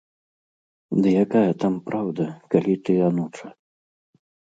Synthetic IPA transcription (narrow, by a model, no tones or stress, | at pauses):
d̪ɐjakajɐt̪ampɾawd̪ɐkalʲit̪ɨanut͡ʂɐ